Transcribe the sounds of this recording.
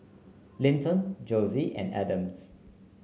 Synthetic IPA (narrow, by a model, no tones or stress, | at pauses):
lĩntə̃nd͡ʒoziʔɛ̰̃næ̰də̃ms